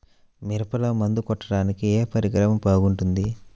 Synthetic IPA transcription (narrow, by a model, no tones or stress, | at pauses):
miɾɐpɐlɐmɐnd̪ukɔʈːɐɽaːnikieːpɐɾikɾɐmɐmpoːɡuɳʈund̪i